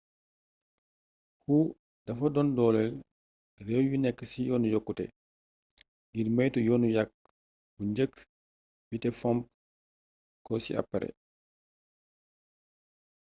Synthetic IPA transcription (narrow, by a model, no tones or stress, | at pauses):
hu | dɐfɐdɔndɔːlɛl | rɛwjunɛkːəsijɔːnujɔkːutɛ̰ | ɡirmɐjtujɔːnujak̚ | buɲd͡ʒək | bitɛfɔmp̚ | kɔsḭa̰pːaɾɛ̰